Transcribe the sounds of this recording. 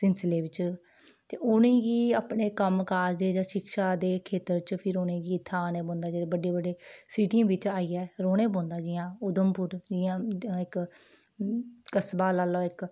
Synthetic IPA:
sɪnsleːʋɪt͡ʃ | t̪eːʔʊnẽːɡiːaːpɳeːkəmkaːɾd̪eːd͡ʒãːʃɪkʃaːd̪eːkʰeːt̪əɾt͡ʃpʰɪɾoːnẽːɡiːt̪ʰaːneːbõːnd̪aːd͡ʒeːɽeːbəɖeːbəɖeːsiːʈĩʋɪt͡ʃaːiːɛːɾoːneːbõːnd̪aːd͡ʒɪːjãːʊd̪əmpʊɾd͡ʒɪːãːɪk | kəsbaːlaːlɔːɪk

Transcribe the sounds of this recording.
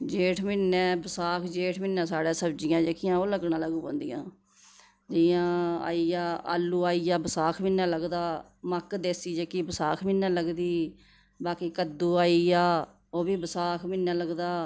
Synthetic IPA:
d͡ʒeːʈʰmɪnːɛ̃ːbəsaːkʰd͡ʒeːʈʰmɪnːɛ̃ːsaːɽeːsəbd͡ʒɪjãːd͡ʒeːkɪjãːoːləɡnãːləɡuːpõːnd̪ijã̰ː | d͡ʒɪjãːa̰ːiːjaːa̰ːlːuːaːiːjaːbəsaːkʰmɪnːɛ̃ːləɡd̪aː | məkd̪eːsiːd͡ʒeːkiːbəsaːkʰmɪnːɛːləɡd̪iː | baːkiːkəd̪ːuːaːiːjaː | oːbiːbəsaːkʰmɪnːɛːləɡd̪aː

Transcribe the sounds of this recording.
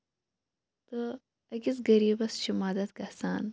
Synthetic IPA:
t̪ɨ | ɐkisɡɐɾiːbɐsʃimaːd̪ɐt̪ɡɐsaːn

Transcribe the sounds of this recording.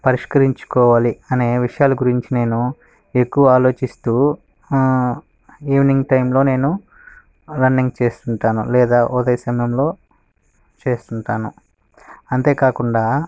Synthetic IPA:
pɐɾiʂkɐɾiɲt͡ʃu̥kɔːʋaːliɐneːʋiʂɐjaːluɡuɾiɲt͡ʃine̞ːnu | e̞kːuʋɐaːlo̞ːt͡ʃist̪uː | iːʋniŋɡʈɐjmlo̞ːne̞ːnu | lɐnːiŋɡt͡ʃe̞ːst̪uɳʈaːnṵlɛːd̪aːʔɔd̪ɐjɐsɐmɐjɐmlo̞ː | t͡ʃe̞ːst̪uɳʈaːnṵ | ɐnt̪e̞ːkaːkuɳɖaː

